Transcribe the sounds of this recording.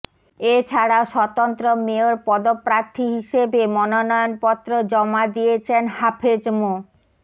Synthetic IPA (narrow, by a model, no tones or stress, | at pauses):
et͡ɕʰaɽaoʃɔt̪ont̪ɾomeoɾpɔd̪opːɾaɾt̪ʰːiɦiʃebemɔnonɔjonpɔt̪ːɾod͡ʑɔmad̪iet͡ɕʰenhapʰed͡ʑmo